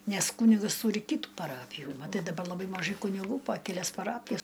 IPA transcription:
ˈnʲɛs ˈkuːnʲɪɡɐs ˈtuːrʲɪ ˈkʲiːtuː pɐˈrɑːpʲɪjuː mɐˈtɐɪ dɐˈbɐ lˠɐˈbɐɪ mɐˈʒɐɪ kʊnʲɪˈɡuː pɐ kʲɛˈlʲɛs pɐˈrɑːpʲɪjɛs

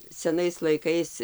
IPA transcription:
sʲɛˈnɐɪs lˠɐɪˈkɐɪs

